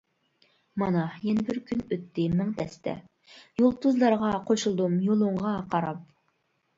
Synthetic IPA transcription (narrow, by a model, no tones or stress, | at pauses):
mɑnɑjɛnɪbɪɾkʲʰynøt̪ʰːɪmɪŋt̪ʰɛst̪ʰɛ̰ | jolˠt̪ʰuzlˠɑɾʁɑqʰoʃulˠd̪umjolˠuɴʁɑqʰɑɾɑp̚